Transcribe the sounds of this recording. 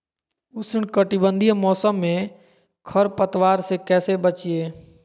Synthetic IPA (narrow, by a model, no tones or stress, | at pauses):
ʊsɪɳkəʈibə̃nd̪ʱijmɔːsəmːẽ | kʰəɾpət̪waːɾsekɛːsebət͡ʃieː